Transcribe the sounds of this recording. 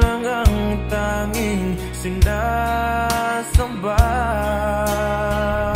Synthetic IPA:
əŋaŋt̪aŋiŋ | sɪŋda | səmba

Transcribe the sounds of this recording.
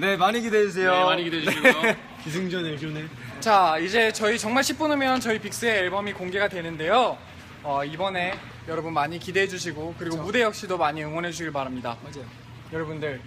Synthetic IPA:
ne̞maɲikideis̬ʰejoaɲiɡidee | kisʰɯŋd͡ʑoneonet͡ɕaid͡ʑe̞t͡ɕʌit͡ɕʌŋmaɭɕʰip͈̚unɯmjʌnt͡ɕʌipik̚s͈ɯe̞ːɭbʌmikoŋɡe̞ɡadwe̞nɯnde̞jo | ʌibʌne̞ | jʌɾʌbunmaɲikide̞ɦed͡ʑuɕ̬ʰiɡokɯɾiɡomude̞jʌk̚ɕ͈idomaɲiɯŋwʌnɦe̞d͡ʑuɕʰiɡɯɭpaɾamɲida | jʌɾʌbundɯɭ

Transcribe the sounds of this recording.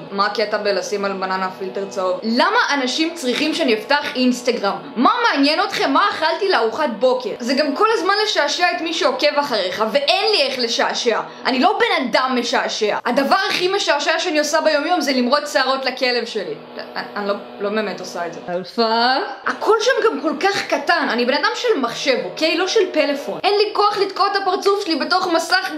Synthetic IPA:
maket̪abelasimalmananafilte̞ʁt͡saotlamaʔanaʃimt͡sʁiχimʃeanieftaχinst̪aɡʁamːamaːnjeno̞t̪χe̞mːaːχaltileaʁuχat̪̚bo̞ke̞ʁzeɡamko̞lazmanleʃaːʃeaet̪miʃeo̞ke̞vaχaʁeχave̞ʔenlieχle̞ʃaʃea | ʔa̰nilo̞be̞nadamːeʃaaʃea̰adavaʁaχimeʃaaʃeaʃeaniosabejo̞mjo̞mzelimʁo̞tt͡seaʁo̞tlake̞levʃe̞li | aanilo | lo̞be̞ːmeto̞saetzḛalfaakʰo̞lʃamɡamko̞lkaχkatananibe̞nadamʃe̞lmaχʃe̞vokelo̞ʃelpe̞lefo̞nʔenlikoaχlid̪kot̪apaʁt͡sufʃelibe̞to̞χmasaχ

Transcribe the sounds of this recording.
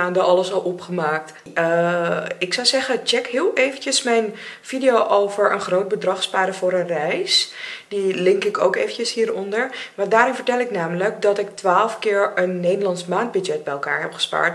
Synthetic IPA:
andɔɑləsɔlˠɔpχəmaːk̚t | ə | ɪksɔwsɛχənt͡ʃɛkɦɪːlˠʔejvəncəsmɛjnfidijoːʔowvəɹə̰nχrowt̚bədrɑχspaːdəfʊːɾənrɛjsdilɪŋkɪko̰wkejvəncəshiːɹɔndəɹmadaːɾɪnvəɹtɛlˠɪknaːmələkdɔtɪktʋaːlˠəfkɪːɹənːejdəlɑnsmaːnd̚byd͡ʒɛt̚bɛjɛlˠka̰ːɹɦɛpχə̥spa̰ːɹt

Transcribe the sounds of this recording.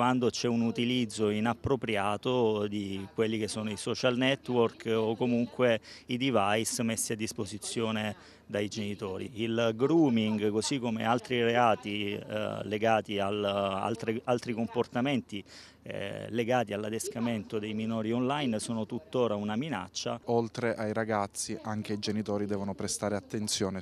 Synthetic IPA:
wand̪ot͡ʃɛunut̪ilid̪zːoinapːɾopɾjaːt̪od̪ikwelːik̟esːoːnoisɔt͡ʃalnɛt̪ːworkokomuŋkweid̪ivajsmesːiad̪ːispozit̪sːjoːne | d̪ajd͡ʒenit̪oːɾḭilɡɾuːmiŋɡkozikːomḛalt̪ɾiɾeaːt̪ḭ | leɡaːt̪iala̰lt̪ɾialt̪ɾikomport̪ament̪ḭ | leɡaːt̪ialːad̪eskament̪od̪ejminoːɾionlajnsoːnot̪ut̪ːoːɾaunamina̰t͡ʃːa̰olt̪ɾeʔajɾaɡat̪sːiʔaŋk̟eid͡ʒenit̪oːɾid̪ɛːvonopɾest̪aːɾeat̪ːent̪sjoːne

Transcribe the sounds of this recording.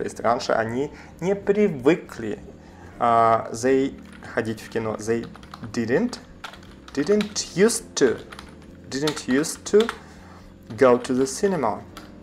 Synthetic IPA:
toɪ̰sʲt̪ʲɾanʃə̰ʔa̰nʲi | nʲɛpɾʲɪvɨklʲḭ | zej | xadʲitʲfkʲɪnɔ̰zej | dɪdənt | d̥ɪdəntjustʰːu | dɪdəntʰjʉstʰːu | ɡoʊtʰuðəsɪnɛma

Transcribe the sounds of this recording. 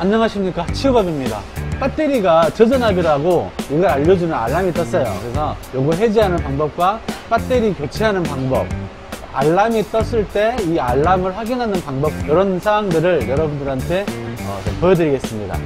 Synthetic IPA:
aɲɲʌŋɦaɕʰimɲik͈at͡ɕʰiubabimɲida̰p͈at͈e̞ɾiɡat͡ɕɯd͡ʑʌnabiɾaɡoiɡʌɾaʎːʌd͡ʑunɯna̰ɭːamit͈ʌs͈ʌjo̰kɯɾesʰʌjoɡuɦe̞d͡ʑiɦanɯnpaŋbʌp̚k͈wap͈at͈e̞ɾikjot͡ɕʰiɦanɯnpaŋbʌ̰p̚ | aɭːamit͈ʌs͈ɯɭt͈e̞iaɭːamɯɭɸwaɡinɦanɯnpaŋbʌb̚jʌɾʌnsʰawaŋdɯɾɯɭjʌɾʌbundɯɾɦantʰe̞ʌ̰t͡ɕʌpʌjʌdɯɾiɡes͈ɯmɲida̰

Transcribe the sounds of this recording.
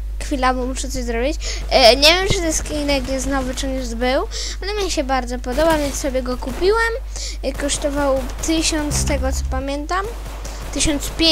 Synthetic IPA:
xfʲilavumuʂɛt̪sɔʑzɾɔbʲit͡ɕ | ɲevʲjɛmt͡ʂɨt̪ɛskʲinɛkjɛsnɔvɘt͡ʂɔɲɛzbɘw | alɛmʲɲɛɕɛbaɾd̪zɔpɔd̪ɔbavʲjɛnsɔbʲjɛɡɔkupʲiwɛm | kɔʂt̪ɔvawt̪ɘɕɔnt̪st̪ɛɡɔt̪sɔ̥pamʲjɛnt̪am | t̪ɘɕɔnt̪spʲje

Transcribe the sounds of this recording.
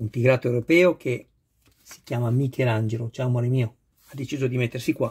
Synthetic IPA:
unt̪iɡɾat̪oewɾopɛːokʰe | si̥kjaːmamikʰeland͡ʒelot͡ʃawmaɾemiːo | ad̪ːet͡ʃiːzod̪imet̪ːersikwa

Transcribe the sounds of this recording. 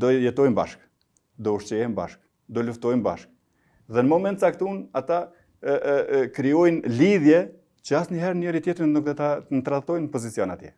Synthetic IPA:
d̪ɔjɛt̪ɔjmba̰ʃk | d̪ɔuʃt͡ɕɛjɛmba̰ʃk | d̪ɔluft̪ɔjmba̰ʃk̚ | ðɛnəmɔmɛnt̪t͡sak̚t̪unat̪a | kɾiɔjnliðjɛ | t͡ɕəasnəɦɛɾnɛɾit̪jɛt̪ɾənuk̚d̪ɔt̪ant̪ɾat̪ɔjnpɔzit͡siɔnat̪jɛ̰

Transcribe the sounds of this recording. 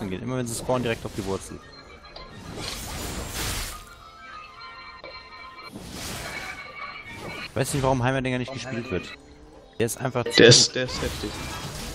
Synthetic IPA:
n̩ɡeːnʔɪ̰mɐvɛnziskʰɔːɐndiʁɛk̚taʊfd̥ivʊɐt͡sl̩ | va̰ɪsnɪçtv̥aʁʊmɦaɪmɐdɛŋɐnɪçt̚ɡ̥əʃpiːltv̥ɪɐt | d̥eːɐɪstʔaɪnfaχt͡sd̥eːɐɪsd̥eːɐɪsthɛftɪç

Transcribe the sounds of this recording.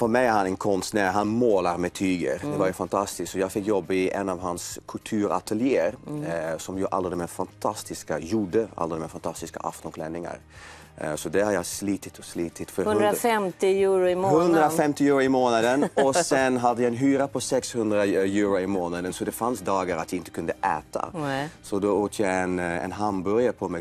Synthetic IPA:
fɔɾmɛɪæɾhɑnɛnkʰɔnsnæɦanmoːlaɾmɛt̪ʰyːɡə̰ɾd̪ɛvaɾjʊfant̪ʰast̪ɪsk̪sɔjɑːɡfɪkːjɔbːɪʔɛnːaʋɦanskʰɵlt̪ʰʉːɾa̰t̪ʰəljeːəɾsɔmjʊʔa̰ld̪ɛd̪ɛmɛsfant̪ʰast̪ɪskajuːɖəa̰ləd̪ɛmɛfant̪ʰast̪ɪska̰ʔa̰ft̪ɔnklɛnɪŋa̰ɾ | sɔd̪æhaɾjasliːt̪ɪt̪ʰɔsliːt̪ɪt̪fœɾfɛmt̪ɪjʉːɾhɵnd̪ɾafɛmt̪ɪjʉːɾʊɪmoːnad̪ənɔsɛnɦad̪ːəjaɛnɦyːɾapʰɔsɛkshɵnd̪ɾajʉːɾʊɪmoːnad̪ənsɔd̪ɛfansd̪ɑːɡaɾat̪jaɪnt̪ə̥kʰɵnd̪əʔæːt̪ʰa̰sɔd̪ooːt̪ʰjɑɛnɛ̰nɦambœɾjapʰɔmɛ

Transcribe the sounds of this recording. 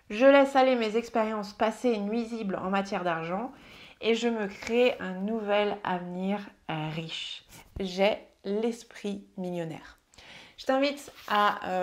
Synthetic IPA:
ʒəlɛsalemezɛkspeʁjɑ̃spasenɥiziblɑ̰̃mat̪jɛʁd̪aʁʒɑ̃eʒəməkχeʔɛ̃nuvɛla̰vniʁʁiʃ | ʒɛlɛspχimiljɔnɛ̰ːʁ | ʒət̪ɛ̃vit̪ʔa

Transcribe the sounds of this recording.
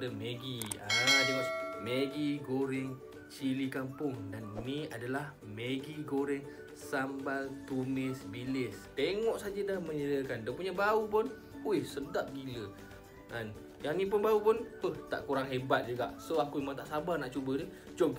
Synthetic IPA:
əmeɡiadəameɡiɡoɾɪŋ | t͡ʃilikampʊŋdannĩadalah | meɡiɡoɾɛŋ | sambalt̪umɪsbilɪst̪eŋɔʔsad͡ʒadahməɲədiakandəpuɲabaup̬ʊn | ujhsədap̚ɡilə | ʔan | jaŋnĩp̬ʊnbaupʊnʊht̪a̰ʔkuɾaŋɦebat̪̚d͡ʒuɡa̰ʔsoakuimaŋt̪aʔsabarnaʔt͡ʃubədə | d͡ʒɔb

